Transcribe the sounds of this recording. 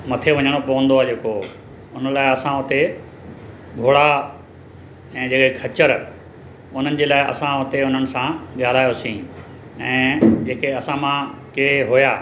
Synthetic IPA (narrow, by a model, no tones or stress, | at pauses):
mɐt̪ʰeʋɐɲəɽ̃opɐʋə̃nd̪oaːd͡ʑeːko | ʊnə̆laːɪɐsãʊt̪e | ɡʱoːɽa | ɛ̃ːd͡ʑeːkekʰɐt͡ɕəɾ | ʊn̤ənɪ̆d͡ʑeːlaːɪʔɐ̰sãʊt̪eʊnənɪ̆sãɠaːl̤aːjosĩː | ɛ̃ːd͡ʑeːkeɐsãmãkeeɦʊjaː